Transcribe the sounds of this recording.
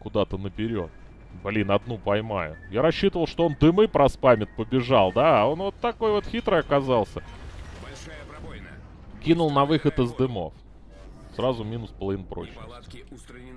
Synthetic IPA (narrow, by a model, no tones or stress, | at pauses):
kʊd̪at̪ənəpʲɪɾʲo̞̰t̪̚ | blʲinɐd̪nupɐjma̰jʊjaɾɐɕːit̪əvəlˠʂt̪oo̞nd̪ɨmɨpɾɐspamʲɪt̪̚pəbʲɪʐalˠd̪ao̞nvo̞t̪ːɐko̞jvo̞t̪xʲit̪ɾəjɐkɐzɑlˠsʲə | kʲinʊlˠnɐvɨxət̪ɨzd̪ɨmo̞̰f | srazʊmʲinʊspəlˠɐvinəpɾo̞̰t͡ɕnə̰sʲtʲɪ